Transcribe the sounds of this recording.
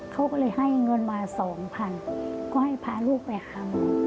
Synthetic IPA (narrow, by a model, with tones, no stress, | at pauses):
kʰa˦˥˩wkɔː˧˩lɤː˧jha˥˩jŋɤ˧nmaː˧sɔː˩˦ŋpʰa˧nkɔː˧˥˩ha˧˥˩jpʰaː˧luː˥˩k̚pa˧jʔaa˧m˧